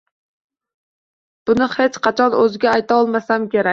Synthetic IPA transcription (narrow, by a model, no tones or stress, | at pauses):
b̥unɨχet͡ʃqɑt͡ʃʰɑnøzɪɡʲɛːjt̪ɑːlˠmɛsɛmkʲeɾɛ